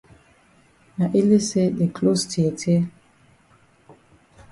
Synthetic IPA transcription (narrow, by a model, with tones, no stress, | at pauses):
na˨ʔe˦le˦se˦de˨kʰlo˦stʰi˨e˨tʰe˦